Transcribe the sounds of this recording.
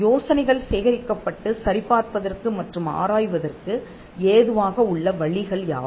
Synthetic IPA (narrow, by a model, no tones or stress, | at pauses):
joːsɐnɐɪɣɐɭseːɣɐɾɪkːɐpːɐʈːɯsɐɾɪpːaːɾpɐðɐrkɯmɐʈrɯma̰ːɾaːjʋɐðɐrkɯ | eːðɯʋaːɣɐʊɭːɐʋɐɭɪɣɐɭja̰ː